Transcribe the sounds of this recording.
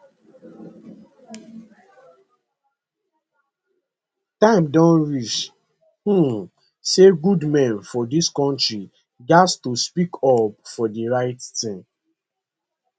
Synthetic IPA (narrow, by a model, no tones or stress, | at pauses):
tãɪ̃mdɔ̃nɹit͡ʃ | hu | seɡudmɛ̃nfɔdiskɔ̃ntɹi | d͡ʒastuspikʰɔpfɔdiɹaɪttĩŋ